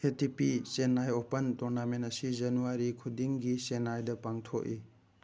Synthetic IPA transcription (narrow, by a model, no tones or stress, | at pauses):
etipisenajopɐntɔɾnamentɐsid͡ʒɐnuaɾikʰudiŋɡisenajdɐpaŋtʰoki